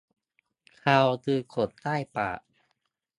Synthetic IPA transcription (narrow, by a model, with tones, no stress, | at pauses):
kʰaː˧wt̪ɯː˧kʰo˨˩t̪ːaː˥˩jpa̰ː˨˩